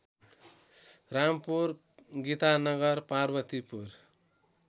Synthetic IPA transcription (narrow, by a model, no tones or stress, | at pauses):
rampur | ɡit̪anʌɡʌrparbʌt̪ipur